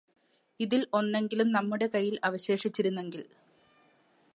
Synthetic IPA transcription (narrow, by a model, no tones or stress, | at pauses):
iðilo̞nːe̞ŋɡilumnɐmːuɽe̞kɐjːilɐʋɐɕe̞ːʂit͡ɕːiɾunːe̞ŋɡil